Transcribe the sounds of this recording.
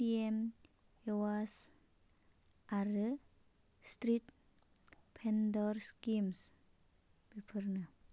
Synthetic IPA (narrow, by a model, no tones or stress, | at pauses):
piem | ewas | aɾɨ | stɾit̪̚ | pʰendɔɾskims | b̥ipʰɯɾna